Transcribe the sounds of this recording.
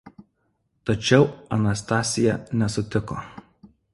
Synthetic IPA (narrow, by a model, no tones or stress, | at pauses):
t̪ɐt͡ʃʲɛʊɐnɐst̪ɑːsʲɪjɛnʲɛsʊt̪ʲɪko̰ː